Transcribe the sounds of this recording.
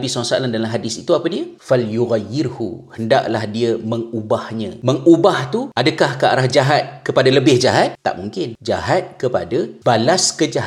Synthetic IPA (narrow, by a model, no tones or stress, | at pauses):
bisaaŋsaa̰landalamɦadɪsit̪uapadiafaljuɣajːɪrhṵhənda̰ʔlahdiəməŋubahɲãməŋubaht̪uadəkahkaʔa̰ɾahd͡ʒaɦat̪̚kəpadaləbɪhd͡ʒaɦat̪̚t̪ːa̰ʔmuŋkɪnd͡ʒa̰ɦat̪̚kəpa̰dab̥alaskəd͡ʒaɦa